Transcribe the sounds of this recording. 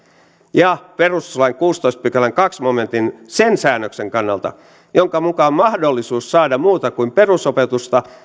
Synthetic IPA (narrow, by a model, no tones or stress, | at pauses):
jɑpe̞ruslɑjŋkuːst̪oist̪̚pykælːæŋkɑksmo̞me̞nt̪insensæːnːøkse̞ŋkɑnːɑ̰lt̪ɑ̰ | joŋkɑmukɑmmɑhdolːisuːssɑːdɑmuːt̪ɑkuimpe̞rusopet̪ust̪ɑ